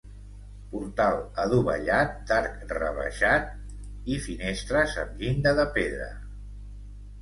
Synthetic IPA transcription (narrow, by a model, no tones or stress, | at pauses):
puɾt̪alˠəðuβə̰ʎat̪̚d̪aɾkrə̰βə̰ʃat̪̚ | ifinest̪ɾəzə̰mʎind̪əðəpeðɾə̰